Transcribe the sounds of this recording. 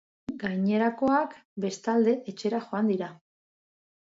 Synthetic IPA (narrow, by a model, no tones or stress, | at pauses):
ɡajɲe̞ɾako̞akbe̞st̪ald̪e̞ʔet͡ʃe̞ɾaxo̞and̪iɾa